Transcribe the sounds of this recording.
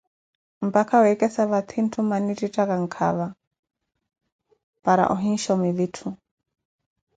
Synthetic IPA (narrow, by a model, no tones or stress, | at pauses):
m̩pakʰawɛkʼɛsaβat̪ʰin̩tʰumanititakaŋ̩kʰa̰βa | paɾa̰ʔɔɦinʃɔmiðitʰu